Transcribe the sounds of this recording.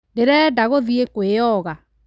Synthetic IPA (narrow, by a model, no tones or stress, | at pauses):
deɾɛdaɣoðiekwejɔɣa